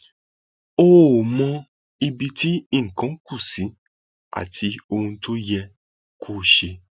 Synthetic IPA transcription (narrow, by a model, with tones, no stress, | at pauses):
o˦˨mɔ̃˧ | i˧bi˧ti˦i˦˨ŋ̩˨kã˨˦ku˦˨si˨˦ | a̰˦˨tʰi˧˦o˧hũ˧to˦jɛ˧ | kʰu˦˨ʃe˧